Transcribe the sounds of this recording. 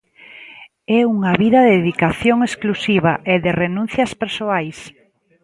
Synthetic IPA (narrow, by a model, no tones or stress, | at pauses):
ɛuŋaβiðɐðeðikaθjoŋesklusiβaʔeðɪrenũn̟θjɐspeɾsoajs